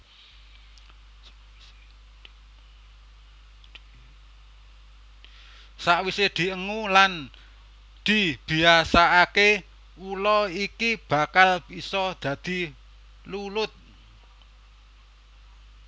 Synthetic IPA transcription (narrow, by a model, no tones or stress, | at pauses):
saʔwised̪̥i̤ʔəŋulan | d̪̥i̤b̥i̤asaake | ulɔikib̥a̤kalb̥isɔd̪̥ä̤d̪̥i̤ | lulʊt̪̚